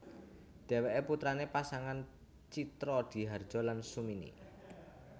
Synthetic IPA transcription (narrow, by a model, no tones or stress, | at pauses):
d̪̥e̤weʔeput̪ɾanepasaŋan | t͡ʃit̪ɾɔd̪̥i̤ɦard̥ʒ̥ɔ̤lansuminḭ